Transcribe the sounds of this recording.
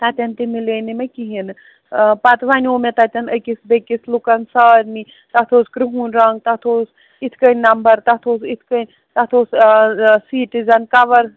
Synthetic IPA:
t̪at̪ʲɐnt̪imilenimekiɦin | pat̪ʋaniomet̪at̪ʲɐnɐkisbekislukɐnsɐːɾni | t̪ɐt̪ʰoːskɾiɦunɾɐŋɡ̚t̪at̪ʰoːs | it̪ʰkɐnʲnɐmbɐɾt̪ɐt̪ʰoːsit̪ʰkənʲ | t̪ɐt̪ʰoːs | siːʈizɐnkɐʋɐɾ

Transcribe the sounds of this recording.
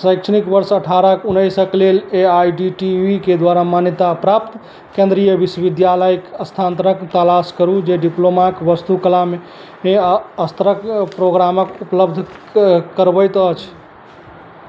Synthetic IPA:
səjkʃʰənikbəɾsəʈʰaɾəkunəjsəkleleajɖiʈiʋiked̪waɾamanjət̪apɾap̚t̪ | kẽnd̪ɾijəbiswəbid̪jaləjkəst̪ʰant̪əɾəkt̪əlaskəɾud͡ʒeɖiplomakbəst̪ukəlame | ẽəst̪ɾəkpɾoɡɾaməkupləbd̪ʱkəɾbəjt̪ət͡ʃʰ

